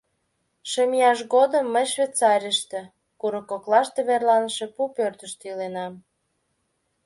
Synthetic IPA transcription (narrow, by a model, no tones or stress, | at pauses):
ʃəmijɑʃɣod̪əmːəjʃβʲet͡sɑɾʲəʃt̪ĕ | kuɾəkːoklɑʃt̪eβerlɑnəʃe̽pupørt̪əʃt̪ilenɑm